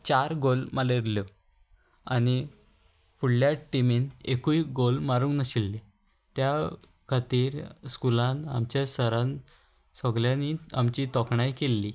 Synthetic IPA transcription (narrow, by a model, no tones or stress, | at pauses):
t͡ɕaɾɡolmaleɾljo | ani | puɽljaʈːimenekuiɡolmaɾũːŋknəɕilːe | t̪ja | kʰat̪iːɾskulãna̰mt͡ɕjasəɾãn | sɔɡljãnia̰mt͡ɕiːt̪ɔkɳajkelːi